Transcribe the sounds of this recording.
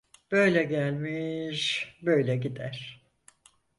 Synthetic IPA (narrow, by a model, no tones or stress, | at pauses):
b̥ø̞jlʲɛɟælʲmiʃbø̞jlʲɛɟid̪æɾ̥